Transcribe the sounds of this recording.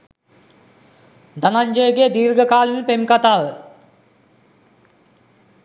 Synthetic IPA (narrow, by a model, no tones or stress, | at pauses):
d̪ɐnaɲd͡ʒəjɡeːd̪iːɾɡəkaːlinpemkat̪aːʋə